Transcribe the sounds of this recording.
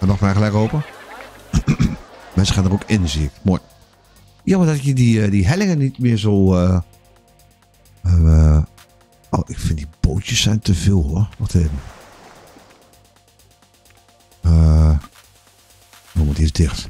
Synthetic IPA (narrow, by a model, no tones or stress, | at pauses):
ɛmaxtmɛxəlɛjkoːpə | mɛnsəxanərokɪnziək̚mo | jamadɔtkjədidiɦɛlɪŋənitmɪəzoː | oʔɪkfɪntdib̥oːtjəsːɛjntʰəfiːlˠhoɔxtʰeːdn̩ | ə | domutisdɪxt